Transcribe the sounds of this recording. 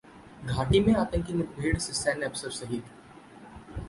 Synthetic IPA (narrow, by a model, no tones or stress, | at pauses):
ɡʱaːʈimẽaːpə̃nkinɪbbʱeːɽsɪsanɐpsəɾsɐɦit̪